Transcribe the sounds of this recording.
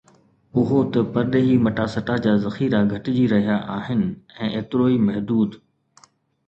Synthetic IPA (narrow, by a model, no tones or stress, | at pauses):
ʊɦot̪ɐpɐɾɗɦiːmɐʈasɐʈad͡ʑaːzɐxiːɾaɡʱɐʈɪd͡ʑiːɾɐɦijaʔaːɦɪnɪ̆ɛ̃ːʔeːt̪ɪɾoːimɐɦd̪uːd̪